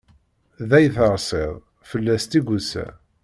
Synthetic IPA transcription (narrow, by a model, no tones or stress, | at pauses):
ðæjθəɾˤsˤeðˤ | fəlːæst̪iɡusæ̰